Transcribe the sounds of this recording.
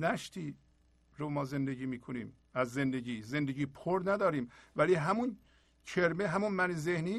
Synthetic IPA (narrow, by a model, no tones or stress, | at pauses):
næʃt̪ʰiː | ɾomɒːze̞nd̪eɟiːmiːkʰoniːm | æzːe̞nd̪eɟiːze̞nd̪eɟiːpʰoɾnæd̪ɒːɾiːmvæliːɦæmun | kʰeɾmeɦæmunmænezehniː